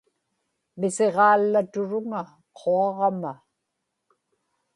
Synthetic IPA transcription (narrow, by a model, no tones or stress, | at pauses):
mɪse̞ʁɑːlːat̪ʊɻʊŋa | qʰoɑʁɑma